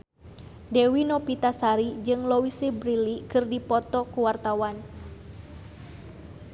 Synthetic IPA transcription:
dɛwinopit̪asaɾid͡ʒɨŋlowisibɾilikɨrdipɔt̪ɔkuwart̪awan

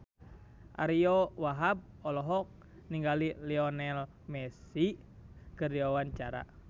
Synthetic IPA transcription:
ʔa̰ɾiɔwaɦab̚ | ɔlɔɦɔk̚ | niŋɡaliliɔnɛl | mɛsi | kɨrdiawaɲt͡ʃaɾa̰

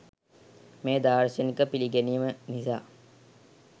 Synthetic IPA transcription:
meːd̪aːɾsənikəpiliɡeniəmənisa̰ː

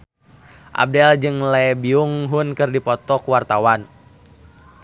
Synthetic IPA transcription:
ʔa̰b̚dɛld͡ʒɨŋlɛbiuŋɦunkɨrdipɔt̪ɔkuwart̪awan

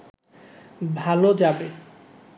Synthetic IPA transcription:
bʱalod͡ʑabe

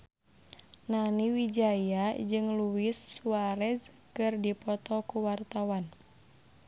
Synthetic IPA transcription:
naniwid͡ʒajad͡ʒɨŋluwisːuaɾɛz | kɨrdipɔt̪ɔkuwart̪awan

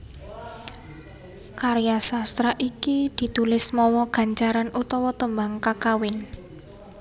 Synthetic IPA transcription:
kaɾjasast̪ɾaʔikid̪̥i̤t̪ulɪsmɔwɔɡ̥ä̤ɲt͡ʃaɾanʔut̪ɔwɔt̪əmbaŋkakawɪn

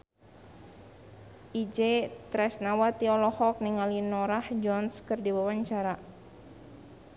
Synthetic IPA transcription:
ʔid͡ʒet̪ɾɛsnawat̪iɔlɔhɔk̚niŋalinɔɾahd͡ʒɔnskɨrdiwawaɲt͡ʃaɾa

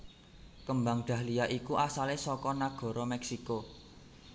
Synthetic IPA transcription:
kəmbaŋɖ̪̥ä̤hliaʔikuʔasalesɔkɔnaɡ̥ɔ̤ɾɔmɛksiko

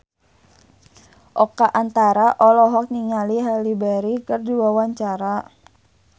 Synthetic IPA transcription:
ʔɔkaʔant̪aɾaʔɔlɔɦɔk̚niŋaliɦalibɛɾikɨrdiwawaɲt͡ʃaɾa

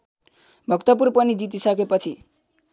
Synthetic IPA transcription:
bʱʌkt̪ʌp̬urpʌnid͡zit̪̬isʌkepʌt͡sʰi

